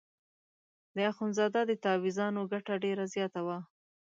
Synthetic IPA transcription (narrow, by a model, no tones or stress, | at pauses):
d̪əaxunzɑd̪ɑd̪ət̪ɑwizɑnoɡaʈaɖeɾazjɑt̪awa